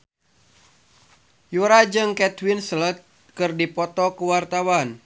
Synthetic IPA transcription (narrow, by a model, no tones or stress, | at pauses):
juɾad͡ʒɨŋkɛt̪winslət̪̚ | kɨrdipɔt̪ɔkuwart̪awan